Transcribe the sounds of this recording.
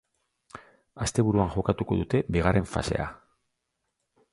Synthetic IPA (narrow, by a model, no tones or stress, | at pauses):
ast̪e̞βuɾuaŋʝo̞kat̪uko̞̰ðut̪e̞biɣ̞arʔe̞ɱfa̰se̞̰a̰